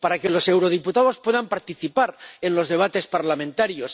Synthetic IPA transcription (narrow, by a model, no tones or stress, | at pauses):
paɾake̞lo̞se̞wɾo̞ð̞iput̪aðo̞spwe̞ðampaɾt̪iθipaɾe̞nlo̞zðe̞β̞at̪e̞spaɾlamẽ̞nt̪aɾjo̞s